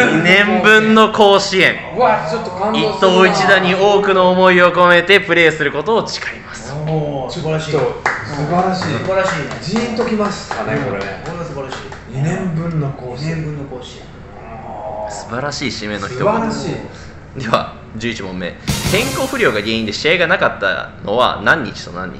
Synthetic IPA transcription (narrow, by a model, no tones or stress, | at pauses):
ɲinẽ̞mbɯ̟̃nːo̞ko̞ːɕiẽ̞ŋ | at͡ʃot̪ːokãit̪ːoːit͡ɕid̪aɲ̟io̞ːkɯ̟no̞ːmo̞io̞ko̞me̞t̪e̞pɯ̟ɾe̞ːsɨɾɯ̟ko̞t̪o̞ːt͡ɕi̥kḁimasɨ̥soɨbaɾaɕibaɾaɕiːiĩnt̪okʲimastanoekoɾesɨbaɾaɕiː | inẽmbɯ̟̃nːokoẽmbɯ̃nːokoɕi | sɨ̥baɾaɕiːɕime̞no̞çi̥tt̪oaɾaɕi | d̪e̞βa̰ | d͡ʑɨːit͡ɕimõmːe̞̰ːk̪ẽ̞ŋko̞ːɸɯ̟ɾʲo̞ːɡaɡẽ̞ːĩnd̪e̞ɕiaiɡanakat̪ːa̰no̞̰βa̰nãɲ̟ːḭt͡ɕi̥t̪o̞̰nã̰ɲ̟ːḭ